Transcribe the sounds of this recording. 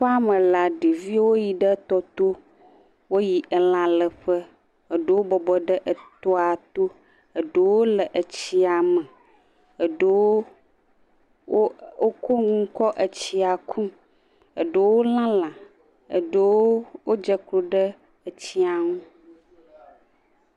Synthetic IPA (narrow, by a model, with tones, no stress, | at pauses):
ɸa˦mə̃˨la˨ɖi˨vi˦wo˦ji˨ɖə˦t̪ɔ˦t̪o˦ | wo˦ji˨ʔə˨lã˨lə˨ɸə˦ | ə˨ɖə˦wo˦bɔ˨bɔ˨ɖə˦ʔə˨t̪o˦a˨t̪o˦ | ə˨ɖə˨˦wo˦lə˨ʔə˨t͡ɕi˦a˨mə˨ | ə˨ɖə˦wo˦ | wo˦o˦ko˦ŋũ˦ŋ̩˦kɔ˦ʔə˨t͡ɕi˦a˨kʰu˦ | ə̰˨ɖə˨wo˦lã˦lã˨ | ə̰˨ɖə˦wo˦wo˦d͡ʒə˦klo˨ɖə˦ | ə˨t͡ɕi˦a˨ŋũ˦